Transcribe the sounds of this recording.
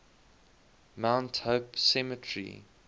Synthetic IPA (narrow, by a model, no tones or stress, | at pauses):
mãʊ̃nthoʊpsɛmətʰɹḭ